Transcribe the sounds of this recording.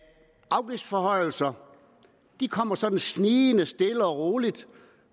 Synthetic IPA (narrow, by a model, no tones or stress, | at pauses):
ʔɑ̈ʊɡ̥ifd̥fɒhɒ̽ɪ̰l̩sɐ | d̥ikʰɒ̽m̰ɐsɒ̽d̥n̩sniːnəsd̥e̝ləɒʁoːlid̥